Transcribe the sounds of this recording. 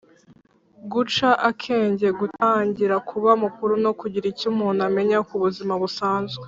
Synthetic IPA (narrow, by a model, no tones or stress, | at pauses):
ɡut͡ʃaʔakʰe̞ːɲɟe̞ɡutaːɲɟiɾakʰuβamukuɾuno̞kuɟiɾicumuːname̞ɲakuβuzimaβusaːnzɡwe